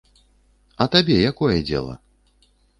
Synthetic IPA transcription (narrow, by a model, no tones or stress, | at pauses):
ɐt̪abʲɛjakɔjɛd͡zʲɛ̰lˠɐ̰